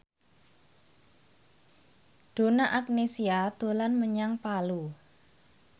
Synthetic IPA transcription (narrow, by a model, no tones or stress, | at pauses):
d̥o̤naʔak̚nesiad̪̥o̤lanməɲaŋpalu